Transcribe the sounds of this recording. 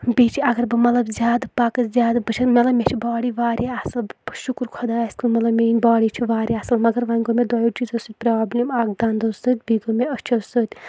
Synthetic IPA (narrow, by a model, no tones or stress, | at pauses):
bit͡ʃʰiɐɡɐɾbɨmɐt̪lɐbzʲaːd̪ɨpakɨzʲaːd̪bɐt͡ʃʰɐmɐt̪lɐbmʲet͡ʃʰibaːɽiʋaːɾʲiasɨlbʃukɾkʰɔd̪asʲkʰɨlmɐt̪lɐbmʲenʲbaːɽit͡ʃʰiʋaːɾʲiasɨlmɐɡɐɾʋɐnʲɡomed̪ɔjot͡ʃizɐsɨt̪̚ʲpɾaːblʲimaːk̚d̪and̪ɐsɨt̪̚ʲbiɡomeɐst͡ʃʰɐsɨt̪ʲ